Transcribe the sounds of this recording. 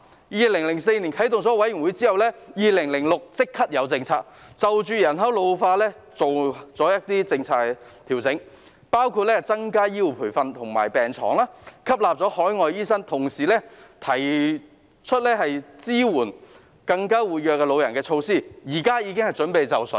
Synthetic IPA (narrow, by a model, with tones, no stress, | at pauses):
jiː˨lɪ˨˩ŋlɪ˨˩ŋse˧jniː˨˩nkʰɐ˨˥jt̪ʊ˨ŋt͡sɔː˨˥wɐ˨˥ji˨˩ŋwu˨˥jt͡siː˥hɐ˨wlɛː˥jiː˨lɪ˨˩ŋlɪ˨˩ŋlʊ˨k̚t͡sɪ˥kʰːɐ˥t̚jɐ˨˧wt͡sɪ˧ŋt͡sʰa̰ː˧k̚t͡sɐ˨wt͡ʃyː˨˧jɐ˨˩nɦɐ˨˥wlo˨˧wfaː˧lɛː˥ | t͡so˨wt͡sɔː˨˥jɐ˥t̚t̪iː˥t͡sɪ˧ŋt͡sʰaː˧˥kt̪ʰiː˨˩wt͡sɪ˨˥ŋ | paː˥wkʰu˧t̚lɛː˥˨t͡sɐ˥ŋkaː˥jiː˥wpʰuː˨˩jfɐ˧nt̪ʰʊ˨˩ŋma̰ː˨˩jpɛː˨˩ŋt͡ʃʰɔ̰ː˨˩ŋlaː˥kʰɐ˥p̚laː˨p̚t͡sɔː˨˥hɔː˨˥jŋɔː˨jiː˥sɐ˥ŋt̪ʰʊ˨˩ŋsiː˨˩lɛː˥t̪ʰɐ˨˩j | t͡ʃʰɵ˥t̚lɛː˥hɐ˨jt͡siː˥wuː˨˩n | kɐ˧ŋkaː˥wuː˨t̚jœː˨kːɛː˧lo˨˧wjɐ˨˩nkɛː˧t͡ʃʰo˧wsiː˥˩jiː˨˩kaː˥jiː˨˧kɪ˥ŋhɐ˨jt͡sɵ˨˥npe˨˧jt͡sɐ˨wsɵ̰˨˥